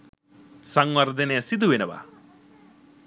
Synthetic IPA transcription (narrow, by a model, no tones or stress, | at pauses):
sɐŋʋɐɾd̪ʱɐneɐsid̪uʋenɐʋa̰